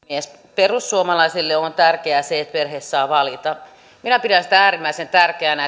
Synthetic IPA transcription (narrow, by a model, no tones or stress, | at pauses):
ies | perusːuomɑlɑisilːeont̪ærkeæseet̪perheːssɑːʋɑlit̪ɑ | minæpiɾænsi̥t̪ææːɾimːæisent̪ærkeænæ